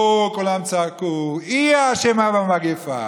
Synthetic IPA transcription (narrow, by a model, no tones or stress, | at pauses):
kʼolamt͡sakuiaʃɛmavamaɡefa̰